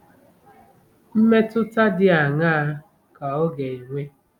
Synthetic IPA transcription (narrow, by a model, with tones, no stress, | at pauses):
m̩˦me˦tʊ˦ta˦dɪ˦a˨ŋa˦a˦ | ka˨ɔ˦ɡe˨i˨ŋʷe˦